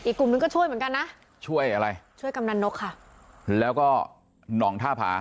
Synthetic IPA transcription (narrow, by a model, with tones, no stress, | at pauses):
ʔiː˨˩kːu˨˩mnɯ˧ŋkɔː˥˩u˥˩əjmɯ˩˦ŋka˧nːa˦˥ʔ | t͡ɕʰu˥˩əjʔa˧ɾa˧jt͡ɕʰu˥˩əjka˧mna˧nːo˦˥kʰːa˥˩ʔ | lɛː˦˥wkɔː˥˩ | nɔː˩˦ŋt̪ʰaː˥˩pʰa̰ː˩˦